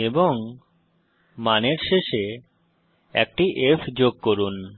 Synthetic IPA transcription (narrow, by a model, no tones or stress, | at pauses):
eboŋ | maneɾʃeʃe | ɛ̰k̚ʈiʔefʰd͡ʑoɡ̚koɾun